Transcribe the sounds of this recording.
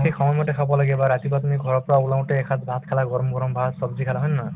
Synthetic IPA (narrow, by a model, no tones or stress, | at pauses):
ɦikʰɔmɔjmaʈekʰabɔlaɡɛbaɾat̪ibat̪umiɡʱɔɾɔpɾaulaw̃ʈeːkʰat̪bʱãt̪kʰalaɡɔɾɔmɡɔɾɔmbʱat̪sɔbd͡ʒikʰalaɦɔjnna